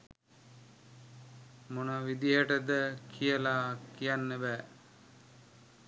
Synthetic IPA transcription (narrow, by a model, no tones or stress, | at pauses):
monəʋid̪iɦəʈəd̪əkʰijəlaːkijanːəbɛː